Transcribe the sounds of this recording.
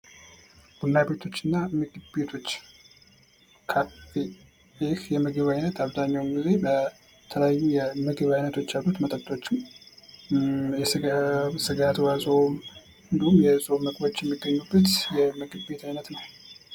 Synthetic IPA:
ɡ̥unːjabe̞t̪ʰo̞t͡ʃːɨnːamɨɡʼbet̪ʰo̞t͡ʃː | kʰapi | ekjɛməɡɨβajnət̪ʰaβzaɲːawmɡize̞bə | t̪ʰələjajːujɛməɡɨβajnət̪ʰo̞t͡ʃːjalːut̪mət̪ʼət̪ːʼot͡ʃːɪm | jɛssɨɡat̪wasʼo̞m | hɨnd̪əhumjɛsʼo̞mːəkʼbo̞t͡ʃːjɛmːiɡːəɲːubːət̪jɛmɨɡɨbe̞t̪ʰajnət̪nəw

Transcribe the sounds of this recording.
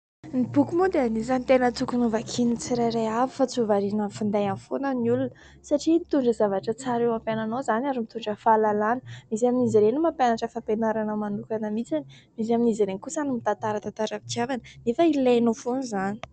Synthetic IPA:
nipukumod̪eanizanit̪enət̪ukunuvakʰinit͡siɾajɾajavifat͡suvaɾinəfund̪ajanfonəniulunə | saʈ͡ʂimit̪uɳɖ͡ʐəzavaʈ͡ʂət͡saɾewampananowzanaɾimit̪uɳɖ͡ʐəfalalanə̥misaminiziɾenimampanaʈ͡ʂəfapenaɾanəmanukanəmit͡sani̥ | misaminiziɾenikusanimit̪ant̪aɾət̪ant̪aɾami̥kiavanə̥nefəilenofonizani̥

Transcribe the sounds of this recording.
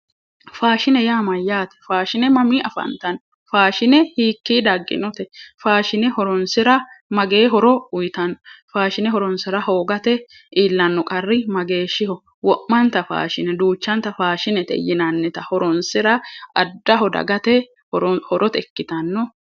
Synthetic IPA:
faːʃɪnɛjaːmɐjːaːt̪ɛ̥faːʃɪnɛmɐmiːʔɐfɐ̰nt̪ɐnːɔ | faːʃɪnɛhiːkːiːd̪ɐɡːɪ̰nɔt̪ɛfaːʃɪnɛhɔɾɔnsɪɾɐmɐɡe̞ːɦɔɾɔʊjɪt̪ɐnːɔfaːʃɪnɛɦɔɾɔnsɪɾɐhoːɡɐt̪ɛ | ʔiːlːɐnːɔkʼɐrːɪmɐɡe̞ːʃɪhɔ | wɔʔmːɐnt̪ɐfa̰ːʃɪnɛd̪uːt͡ʃːɐnt̪ɐfaːʃɪnɛt̪ɛ̰jːɪnɐnːɛt̪ɐhɔɾɔnsɪɾɐɐd̪ːɐɦɔd̪ɐ̰ɡɐt̪ɛ | hɔɾhɔɾʔɔt̪ɛkːɪt̪ɐnːɔ

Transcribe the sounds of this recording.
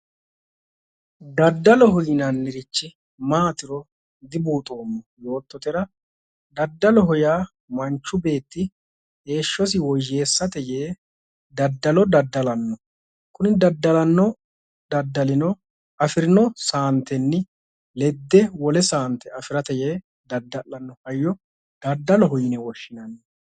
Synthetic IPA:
d̪ɐd̪ːɐlɔɦɔjɪnɐnːɪɾɪt͡ʃːɪ | maːt̪ɪɾɔ | d̪ɪbuːt̪ʼo̞ːmːɔjo̞ːt̪ːɔt̪ɛɾɐ | d̪ɐd̪ːɐlɔɦɔjaː | mɐnt͡ʃːʊbe̞ːt̪ːɪ | he̞ːʃːɔs̬ɪwɔjːe̞ːsːɐt̪ɛjeː | d̪ɐd̪ːɐlɔd̪ɐd̪ːɐlɐnːɔ | kʊnɪd̪ɐd̪ːɐlɐnːɔ | d̪ɐd̪ːɐlɪnɔ | ɐfɪɾɪnɔsaːnt̪ɛnːɪ | lɛd̪ːɛwɔlɛsaːnt̪ɛɐfɪɾɐt̪ɛjeː | d̪ɐd̪ːɐʔɐnːɔhɐjːɔ | d̪ɐd̪ːɐlɔɦɔjɪnɛwɔʃːɪnɐnː

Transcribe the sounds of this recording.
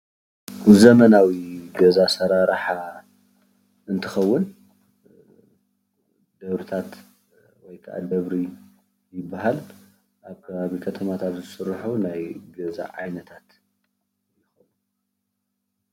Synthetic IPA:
zɐmɐnawiɡɐzasɐɾaɾħa | ɨnt̪ʰɨxɐwːʊn | d̪ɐβɾɨt̪ʰat̪ | wɔjkʰɐʔa̰d̪ɐβɾi | jɪbːaɦal | ʔaβkʰɐβaβikʰɐt̪ʰɐmat̪ʰat̪zɨsɨrħunajɡɐza̰ʕajnɐt̪ʰat̪ | jɪxɐwu

